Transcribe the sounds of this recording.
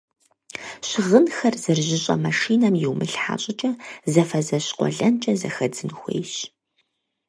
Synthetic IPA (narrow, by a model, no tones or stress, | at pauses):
ɕʁənxɐrzɨrʑɪɕʼɐ̰mɐʂiːnɐmjɪwmɨɬħa̰ːɕʼɪt͡ʃʼɐzɐfɐzɐɕqʷʼɔ̰ɮɐnt͡ʃʼɐzɐxɐd͡zɨnxʷḛjɕ